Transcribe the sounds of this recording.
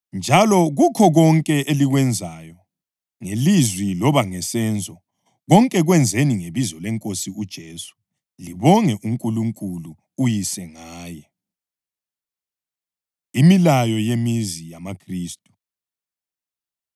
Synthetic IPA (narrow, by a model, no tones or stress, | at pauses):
nd͡ʒʱalɔɣukʰɔɣɔŋkʼɛʔeliɣwɛnd͡zʱajɔ | ŋelizwilɔβaŋɛsɛnd͡zʱɔ | ɣɔŋkʼɛɣwɛnd͡zʱeniŋeβizɔlɛŋkʼosiud̥ʒ̥ʱesu̥ | liβɔŋɛʔuŋkʼuluŋkʼuluː | jisɛŋaːjɛ | imilajɔjemizijamakʰriːstʼu̥